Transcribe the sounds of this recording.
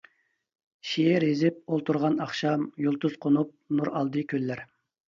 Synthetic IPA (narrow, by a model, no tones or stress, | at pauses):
ʃeɪɾezɪp̚olˠt̪ʰuɾʁɑnɑχʃɑmjolˠt̪uz̥qʰonup̚nuɾɑlˠd̪ɨkʲʰølːæɾ